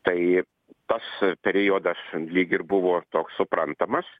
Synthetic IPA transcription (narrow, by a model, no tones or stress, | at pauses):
t̪ɐɪ | t̪ɐspʲɛɾʲɪjoːd̪ɐslʲiːɡʲɪrbʊʋoːt̪oːkssʊpɾɐnt̪ɐmɐs